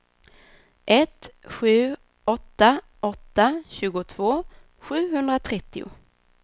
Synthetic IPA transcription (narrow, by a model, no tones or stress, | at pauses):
ʔɛt̪ɧʉ̟ː | ɔt̪ːa | ɔt̪ːaɕʉ̟ːɡʊt̪ʰv̥oː | ɧʉ̟ːɦɵnd̪ɾat̪ʰɾɛt̪ːɪʊ̰